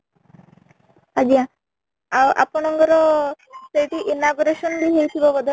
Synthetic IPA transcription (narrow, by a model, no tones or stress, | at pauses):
had͡ʒiã | awʔa̰pɔɳ̃ɔŋɡɔɾɔsejʈiʔinaɡuɾeʃɔnbiɦejt̪ʰibɔbɔd̪ʱɔ